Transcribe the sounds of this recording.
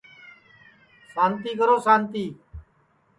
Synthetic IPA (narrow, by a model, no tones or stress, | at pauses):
saːnt̪iːkəɾoːsaːnt̪iː